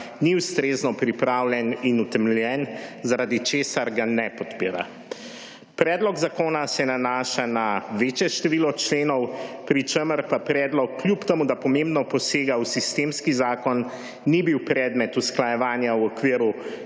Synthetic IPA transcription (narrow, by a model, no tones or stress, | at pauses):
niust̪ɾeːznɔpɾipɾaːwljɛninut̪ɛmljɛnzaɾad̪it͡ʃeːsaɾɡanɛpɔt̪piːɾa̰ | pɾɛːd̪lɔɡzakoːnasɛnanaːʃanaʋeːt͡ʃjɛʃt̪ɛʋilɔt͡ʃleːnɔwpɾit͡ʃeməɾpapɾɛːd̪lɔkːlʲjupt̪ɛmud̪apɔmembnɔpɔseːɡawsist̪eːmskizaːkɔnː | ibiwpɾɛːd̪mɛt̪usklajɛʋaːnjawɔkʋiəɾu